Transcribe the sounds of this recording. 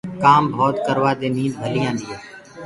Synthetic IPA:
kaːmbʱoːt̪kəɾʋaːd̪eːmĩːd̪̚bʱəliːãːnd̪iːeː

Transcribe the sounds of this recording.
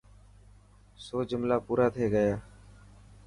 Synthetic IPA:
soːd͡ʒʊmlaːpuːɾaːt̪ʰeːɡəjaː

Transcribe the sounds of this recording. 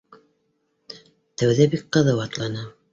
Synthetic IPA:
t̪æwðæbik̚qɤ̆ðɤwɑt̪lˠɑnɤ

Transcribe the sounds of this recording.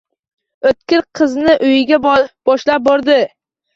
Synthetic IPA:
ɵt̪kʲɪɾqʰɨznɪʔʊjɪɡʲab̥ɒʃlap̚bɒɾd̪ɪ

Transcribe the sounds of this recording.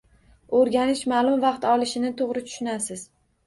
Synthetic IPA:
oɾɡʲanɪʃmaːlˠʊmvɑqt̪ɒlˠɪʃɪnɪt̪ʰoʁɾɪt̪ʰʊ̥ʃɪnasɪz̥

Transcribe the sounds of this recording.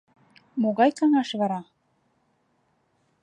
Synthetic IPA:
moɣɑjkɑŋɑʃβɑɾɑ

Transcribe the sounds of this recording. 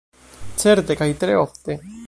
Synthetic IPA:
t͡seɾd̪ekajt̪ɾeoft̪e

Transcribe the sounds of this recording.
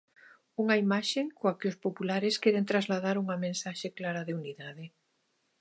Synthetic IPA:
uŋɐimaʃeŋkoakɪʊspopulaɾeskeɾent̪ɾazlað̞aɾuŋɐmẽnsaʃeklaɾaðeuniðaðɪ

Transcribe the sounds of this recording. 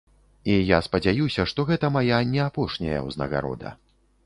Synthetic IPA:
ijaspɐd͡zʲajusʲɐʂt̪ɔɣɛt̪ɐmajanʲɛapɔʂnʲɐ̰jɐ̰wznɐ̰ɣa̰ɾɔ̰d̪ɐ̰

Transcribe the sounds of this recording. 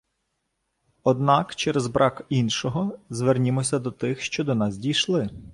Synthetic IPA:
ɔd̪nɑkt͡ʃɛɾɛzbɾʔɑkinʃɔɦɔzʋernʲɪmɔsʲɐd̪ɔt̪ɪxʃt͡ʃɔd̪ɔnɑzʲdʲijʃlˠɪ

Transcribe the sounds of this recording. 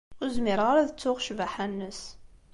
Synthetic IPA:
ʊɾzmɪɾʁaɾæðət͡sːʊʁʃvaħænːəs

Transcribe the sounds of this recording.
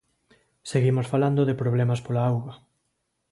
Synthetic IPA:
seɣimosfaland̪oðɪpɾoβlɛmaspolaawɣa

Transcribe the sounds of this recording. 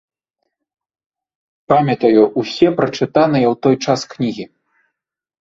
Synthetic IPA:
pamʲɐt̪ɐjuʔusʲɛpɾɐt͡ʂɨt̪anɨjɐwt̪ɔjt͡ʂasknʲiɣʲi

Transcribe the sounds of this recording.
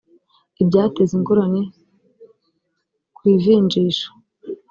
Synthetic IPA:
ibɟaːteziŋɡoɾane | kwiːviːnd͡ʒiːʃḁ

